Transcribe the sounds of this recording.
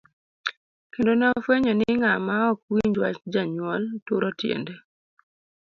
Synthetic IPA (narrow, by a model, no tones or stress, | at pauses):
kendonaofweɲɔniŋamaɔk̚wiɲd͡ʒwat͡ʃd͡ʒaɲwɔltuɾɔtjḛndɛ